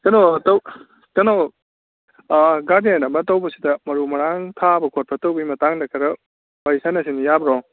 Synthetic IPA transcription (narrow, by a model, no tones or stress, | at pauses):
kɐnotow | kɐno | ɡaɾdenɐmɐtowbɐsidɐmɐɾumɐɾaŋtʰabɐkʰot̚pʰɐtowbimɐtaŋdɐkʰɐɾɐ | bajsanɐs̬inijabɾɔ